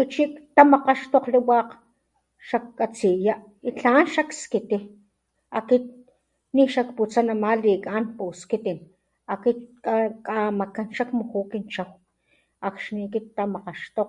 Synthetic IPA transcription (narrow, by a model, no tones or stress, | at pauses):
ut͡ʃikt̪amaqaʃt̪oqliwaːq | ʃakkat͡sijaʔ | it͡ɬanʃakskit̪i | akit̪̚ | niʃakput͡sanamalikʼanpuskit̪in | akit̪̚kakʼamakanʃakmuhukint͡ʃaw | akʃnikit̪t̪ːamaqaʃt̪oq